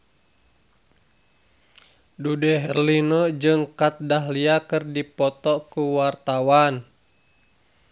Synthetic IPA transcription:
dudɛɦɛrlinɔd͡ʒɨŋkat̪̚daɦliakɨrdipɔt̪ɔkuwart̪awan

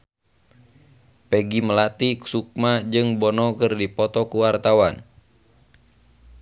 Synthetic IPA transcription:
pɛɡiməlat̪iku̥suk̚mad͡ʒɨŋbɔnɔkɨrdipɔt̪ɔkuwart̪awan

